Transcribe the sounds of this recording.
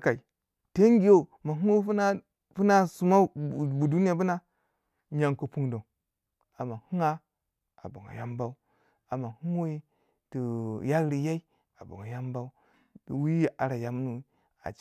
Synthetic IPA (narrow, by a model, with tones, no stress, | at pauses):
ka˨i˨ | te˦ŋ˦ɡi˨˦jo˦ma˨ɦu˦o˦na˦ | pu˦na˦su˨ma˦˨bu˨du˦ni˦ja˨bu˦na˦ | ɲa˨ŋko˨pu˦ŋdo˨ŋ | a˨ma˨hu˦ŋa˦ | a̰˨bo˨ŋa̰˨ja˦mba˦u˦ | a˨ma˨hu˦ŋ˦wo˦i˦ | tu˨ja˦ɾi˨ja˦i˦ | a˨bo̰˨ŋa˨ja˦mba˦u˦˨ | wi˦a˨ɾa˨ja˨m˦nu˦ | a̰˨